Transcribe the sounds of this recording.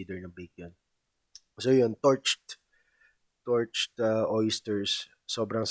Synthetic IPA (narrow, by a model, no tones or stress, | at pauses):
iːd̪ɛɹnɐbek̚jon | soːjont̪ɔɹt͡ʃt̪ | t̪ɔɹt͡ʃt̪ɐʔɔjst̪ɛɹsː | oːbɾɐŋs